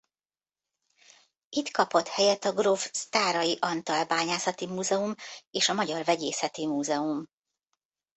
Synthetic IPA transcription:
it̪kɒpo̞t̪hɛjɛt̪ɒɡrofst̪aːɾɒjiʔɒnt̪ɒlbaːɲaːsɒt̪imuːzɛumeːʃɒmɒɟɒrvɛɟeːsɛt̪imuːzɛum

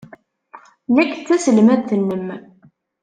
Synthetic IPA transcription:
nækːt͡sːæsəlmæθənːəm

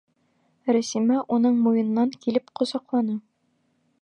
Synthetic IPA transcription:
ɾæsimæʔunɤɴmujɤ̆nːɑŋkilɘpqŏzɑqlˠɑnɤ

